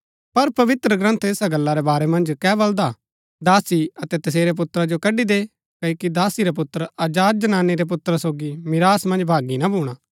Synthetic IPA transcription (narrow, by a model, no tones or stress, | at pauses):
pɐɾpɐʋɪt̪ɾəɡɾɐ̃nt̪ʰeːsaɡɐlːaɾebaːɾemɐ̃nd͡ʒkɛːbɐld̪a | d̪aːsiɐt̪ɛt̪ɐseːɾep̬ʊt̪ɾad͡ʒokɐɖid̪eː | kɐoːkid̪aːsiɾap̬ʊt̪ːɾɐd͡ʒaːɾ̚d͡ʒɐnaːnːiɾep̬ʊt̪ɾasoːɡimɪɾaːsmɐ̃nd͡ʒbʱaːɡinabʱuːɽ̃aː